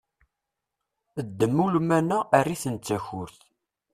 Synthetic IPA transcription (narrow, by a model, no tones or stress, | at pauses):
əd̪ːəmːulmænæʔærːiθənt͡sːæçʊɾθ